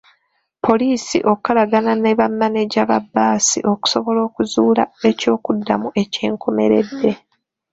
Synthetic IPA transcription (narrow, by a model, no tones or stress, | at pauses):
pʰo̞liːsḭʔo̞kalaɡananeβamːaneɟaβabːaːsiʔo̞ku̥so̞βo̞lo̞ːkuzuːlaeco̞ːkudːamuʔe̞ce̞ːŋkʰo̞me̞ɾe̞̰dːe̞